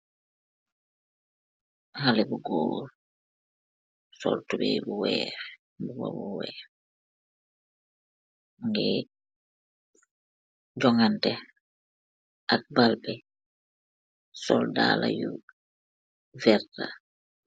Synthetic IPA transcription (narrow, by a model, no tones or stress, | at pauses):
halɛbuɡoːl | sɔ̰ltubɛjbuwɛːɾ | buwɔ̰buwɛːɾ | ŋɡɛ | ɟɔŋantɛ | ʔak̚balbɛ | sɔldaːlaju | vɛɾta